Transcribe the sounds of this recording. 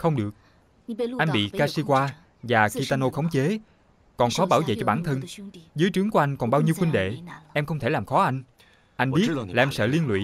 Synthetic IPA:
xə˧wŋ͡mɗɨ˨˩ək̚ | ʔa˧jŋ̟ɓḭ˧˨kaː˧si˧kwaː˧ | vaː˨˩xi˧t̪aː˧no˧xə˨˦wŋ͡mt͡ɕe˨˦ | kɔ˨˩nxɔ˨˦ɓaː˧˩wvḛ˧˨t͡ɕɔ˧ɓaː˧˩nt̪ʰə˧nzɨ˨˦jt͡ɕɨ˨˦əŋku˧ʔa˧jŋ̟kɔ˨˩nɓaː˧wɲi˧əwxwï˧ŋ̟ɗḛ˧˨ʔɛ˧mxə˧wŋ͡mt̪ʰe˧˩laː˨˩mxɔ˨˦ʔa˧jŋ̟ | ʔa˧jŋ̟ɓi˦˥ət̚tlaː˨ʔɛ˧msə̰ː˧˨li˧ənlwḭ˧˨

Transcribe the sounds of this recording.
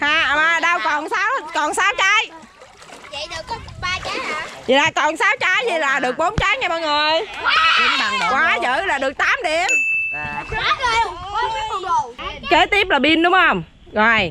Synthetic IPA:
haː˨˩˨maː˨˧˩ɗa˧wkɔ˨˩nsaː˨˦wkɔ˨˩nsaː˨˦wt͡ɕa˨˦j | zɗɨ˨˩˧a˧t͡ɕa˨˦˨i˨˩ɗaː˧˩kɔ˨˩nsaː˨˦wt͡ɕa˨˦jzi˨˩laː˨˩ɗɨ˨˩ək̚ɓo˨˦nt͡ɕaː˨˦jɲa˧ɓaː˧˩ŋɨ˨˩əji˨˧˦ŋ˨˩kwaː˨˦zə̰ː˧˨˩laː˨˩ɗɨ˨˩ək̚t̪aː˨˦mɗḭ˧˨əm˦˥˧ | ke˨˦t̪i˦˥əp̚laː˨˩ɓi˧ənɗʊ˨˦ŋ͡mhə˧wŋ͡m | ɣɔ˨˩j

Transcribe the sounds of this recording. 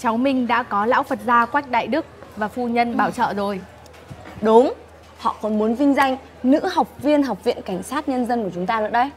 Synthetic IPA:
t͡ɕa˨˦wmï˨˩ŋ̟ɗa̰ː˧˥kɔ˨˦la̰ː˧˥wfə˨˩t̚zaː˧kwa˦˥jk̟̚ɗa̰ː˧˨jɗɨ˦˥ək̚vaː˨˩fu˧ɲə˧nɓaː˧˩wt͡ɕə̰ː˧˨zo˨˩j | ɗʊ˨˦ŋ͡m | hɔ̰˧˨kɔ˨˦nmu˨˦ənvï˧ŋ̟za˧jŋ̟ | nɨ̰˧˥ha˨˩wk͡p̚vi˧ənɦa˨˩wk͡p̚vḭ˧˨ənka˧˩jŋ̟saː˦˥t̚ɲə˧nzə˧nku˧˩ət͡ɕʊ˨˦ŋ͡mt̪aː˧nɨ̰˧˥ɗə˧j

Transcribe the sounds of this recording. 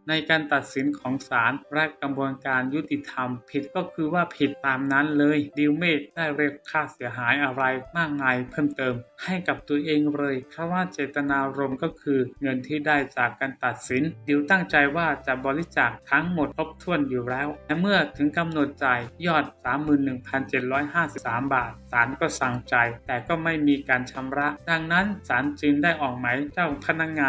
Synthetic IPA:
na˧jkaː˧nt̪a˨˩t̪̚si˩˦nkʰɔː˩˦ŋsaː˩˦nɾɛ˦˥ka˧mbu˧ənkaː˧nju˦˥t̪i˧t̪ʰa˧mpʰi˨˩t̪̚kɔː˥˩kʰɯː˧waː˥˩pʰi˨˩t̪ːaː˧mna˦˥nlɤː˧jdi˧wmeː˥˩k̚daː˥˩jɾe˥˩əp̚kʰaː˥˩si˨˩˦ɐɦaː˩˦jʔa˧ɾa˧jmaː˥˩k̚naː˧jpʰɤː˥˩mt̪ɤː˧mha˥˩jka˨˩p̚t̪u˧əʔeː˧ŋɾɤː˧jkʰɾa˧˥˩waː˧˥˩t͡ɕeː˨˩t̪a˧naː˧ɾo˧mkɔː˥˩kʰɯː˧ŋɤ˧nt̪ʰiː˥˩daː˥˩jt͡ɕaː˨˩kːaː˧nt̪a˨˩t̪̚si˩˦ndi˧əwt̪a˥˩ŋt͡ɕa˧jwaː˥˩t͡ɕa˨˩bɔː˧li˦˥t͡ɕa˨˩k̚t̪ʰa˦˥ŋmo˨˩t̪̚tʰo˦˥p̚t̪ʰu˧˩ənjuː˨˩ɾɛː˦˥wlɛ˧˩mɯ˥˩ɐt̪ʰɯ˩˦ŋka˧mnu˨˩ət̪̚t͡ɕa˧jjɔː˥˩t̪̚saː˩˦mːɯː˨˩nːɯ˨˩ŋpʰa˧nt͡ɕe˨˩t̪̚ɾɔː˦˥jɦaː˥˩si˨˩p̚saː˩˦mbaː˨˩t̪̚saː˩˦nkɔː˥˩sa˧˩ŋt͡ɕa˧jt̪ɛː˨˩kɔː˥˩ma˥˩jmiː˧kaː˧nt͡ɕʰa˧mɾa˦˥ʔda˧ŋna˦˥nsaː˩˦nt͡ɕɯ˧ŋdaː˥˩jʔɔː˨˩k̚ma˨˦˥jt͡ɕɔ˥˩pʰa˧na˦˧˥k̚ŋaː˧

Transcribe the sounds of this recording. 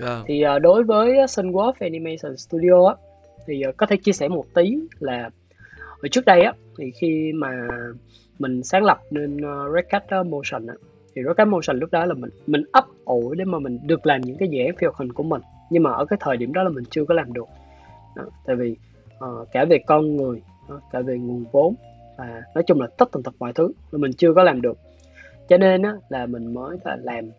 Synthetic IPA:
t̪ʰi˨˩ʔəː˨˩ɗo˨˦jvəː˨˦jːsə˧nɣwɔ˨˦fɛ˧ni˧ma˧sə˨˩st̪u˧ɗi˧o˧ʔaː˦ | t̪ʰi˨˩ʔːkɔ˨˦t̪ʰe˧˩t͡ɕi˧əsɛ˧˩mo˨˩t̚t̪i˨˦laː˨˩ | ʔəː˧˦˩t͡ɕɨ˦˥ək̚ɗə˧jʔaː˨˧˦t̪ʰi˨˩xi˧maː˨˩ | mï˨˩ŋ̟saː˨˦ŋlə˨˩p̚ne˧nː˨˧za˦˥k̚ka˦˥jt̚ʔmo˧sə˨˩nʔa̰ː˧˥ | t̪ʰi˨˩zo˨˦˥ka˦˥t̚mo˧sə˨˩ŋ̟lʊ˦˥k͡p̚ɗɔ˨˦laː˨˩mï˨˩ŋmï˨˩ŋ̟ʔə˦˥p̚ʔo˧˩jɗe˧˦maː˨˩mï˨˩ŋ̟ɗɨ˨˩ək̚laː˨˩mɲɨ̰˧˥ŋkaː˨˦jzḭ˧˨ʔaː˨˦nfi˧hk͡p̚hï˨˩ŋ̟ku˧˩əmï˨˩ŋ̟ | ɲɨ˧ŋmaː˨˩ʔəː˧˩kaː˨˦jt̪ʰəː˨˩jɗi˧˩əmɗɔ˨˦laː˨˩mï˨˩ŋ̟t͡ɕɨ˧əkɔ˨˦laː˨˩mɗɨ˨˩ək̚ | ɗɔ˨˦t̪a̰ː˧˨jvi˨˩ | ʔəː˨˩kaː˧˩ve˨˩kɔ˧nŋɨ˨˩əj | ɗɔ˨˦kaː˧˩ve˨˩ŋu˨˩ənvo˨˦m | vaː˨˩nɔ˨˦jt͡ɕʊ˧ŋ͡mlaː˨˩t̪ə˦˥t̚t̪a˨˩t̪ʰɨ˨˩mw̰a̰˧˨t̪ʰɨ˨˦a˨˩mï˨˩ŋ̟t͡ɕɨ˧əkɔ˨˦laː˨˩mɗɨ˨˩ək̚ | t͡ɕɔ˧ne˧nʔaː˨˦laː˨˩mï˨˩ŋ̟məː˨˦jl̰ːlaː˨˩m

